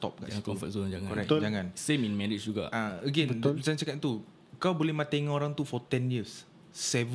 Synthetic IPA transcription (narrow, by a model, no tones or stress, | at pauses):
t̪ɔ̰p̚ɡa̰ʔst̪ɔ̃fə̰t̚sond͡ʒaŋãɔɾaktd͡ʒaŋãnsẽminmɛɹit͡ʃd͡ʒuɡa̰aəɡɛ̃nbəsansəkaʔ̪̚t̪u | kawbolɛhmãt̪aŋoɾãŋt̪ufɔt̪ɛ̃njisː | ɛv